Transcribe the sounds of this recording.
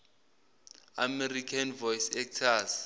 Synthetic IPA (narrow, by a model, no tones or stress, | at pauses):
a̰mɛrikʰanvɔjsɛk̚tʰaz